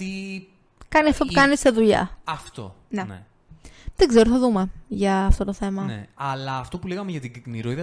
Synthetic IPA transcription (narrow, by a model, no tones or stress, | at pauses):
t̪i | kɐniɐft̪opukɐnisteðuʎɐ̰ɐft̪o̰ | nene | ðeɡzeɾotθɐðume̞ʝɐːft̪o̞t̪oθe̞mɐneɐlɐːft̪o̞puleɣɐmeʝɐt̪iɡkniɾoiðɐ